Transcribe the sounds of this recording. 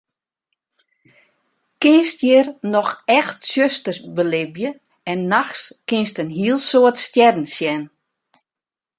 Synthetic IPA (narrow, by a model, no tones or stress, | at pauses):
kɪnstjɪrnɔxɛxtsjøstərbəlɪbjə | ɛnːaxskɪnstənɦiəlˠsoətstjɛdn̩sjɛn